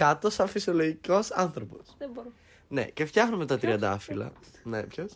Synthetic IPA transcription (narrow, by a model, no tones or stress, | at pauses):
kɐt̪osɐfisio̞loʝiko̞sɐnθɾo̞poseboɾ | ne̞̰ce̞ft̪çɐxnumet̪ɐt̪ɾiɐnd̪ɐfilɐ̰ | nepços